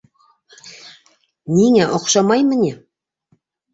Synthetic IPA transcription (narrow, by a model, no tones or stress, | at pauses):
nʲiŋæʔoqʃɑmɑjmɘnʲe